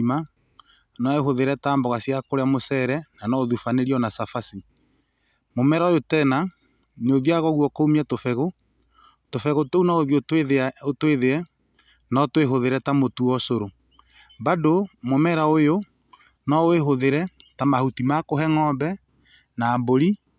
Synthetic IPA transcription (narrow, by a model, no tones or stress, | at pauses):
ma | nɔeɦoðeɾɛtaːmbɔɣasjakoɾeamosɛɾɛnanɔoðufaneɾiɔnasafasi | momɛɾaojotɛna | neoðiaɣɔɣwɔkoumiatofɛɣo | tofɛɣotounaoðiotweeotweðeɾɛ | nɔtweɦoðeɾɛtamotuɔsoɾo | badomomɛɾaojo | nɔeɦoðeɾɛtamahutimakoɦɛŋɔːmbɛ | naːmboɾi